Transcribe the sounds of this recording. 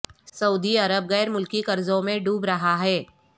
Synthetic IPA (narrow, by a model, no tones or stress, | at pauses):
sɐuːd̪iɐɾəb̚ɣɛːɾmʊlkikɐɾzõmẽɖuːbɾɐɦaɦɛː